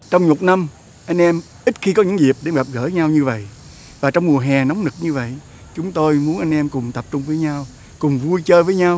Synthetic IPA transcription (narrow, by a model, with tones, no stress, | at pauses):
t͡ɕɔ˧wŋ͡mɲo˨˩t̚na˧m | ʔa˧jŋ̟ʔɛ˧m | ʔi˦˥t̚xi˧kɔ˨˦ɲɨ̰˧˥ŋzi˨˩əp̚ɗe˨˧˩mɣa˨˩p̚ɣəː˧˩ɲa˧wɲɨ˧və̰˧˨j | vaː˨˩t͡ɕɔ˧wŋ͡mmu˨˩əɦɛ˨˩nɔ˨˦wŋ͡mnɨ˨˩k̚ɲɨ˧və̰˧˨j | t͡ɕʊ˨˦ŋ͡mt̪o˧jmu˨˦ənʔa˧jŋ̟ʔɛ˧mkʊ˨˩ŋ͡mt̪ə˨˩p̚t͡ɕʊ˧ŋ͡mvəː˨˦jɲa˧w | kʊ˨˩ŋ͡mvu˧jt͡ɕəː˧vəː˨˦jɲa˧w